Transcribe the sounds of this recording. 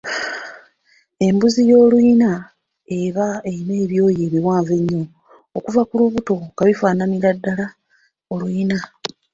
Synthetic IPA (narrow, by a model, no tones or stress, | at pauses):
e̞mbuzijo̞ːlwuːna | eβaeine̞ːβjo̞ːjeːβiwaːɱve̞ɲːoː | kuvakuluβuto̞kaβifaːnamiɾadːala | olwuiina